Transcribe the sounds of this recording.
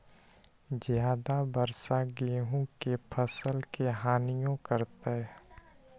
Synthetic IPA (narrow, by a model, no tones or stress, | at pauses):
zjaːd̪abəɾsaɡeːɦõkepʰəsəlkeɦaːnɪjõkəɾt̪e